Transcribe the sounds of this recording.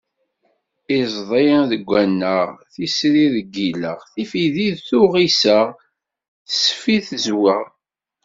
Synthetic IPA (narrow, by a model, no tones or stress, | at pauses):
izˤðˤejnðəɡʷːænːəʁθisɾiðəɡːiləʁθifiðiðθʊʁisəʁ | θə̥sfiθəzwəʁ